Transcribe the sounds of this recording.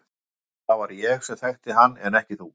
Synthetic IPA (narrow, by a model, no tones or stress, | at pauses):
θawvaɾjɛxsɛθajxt̪ɪɦanːɛnɛhcɪθu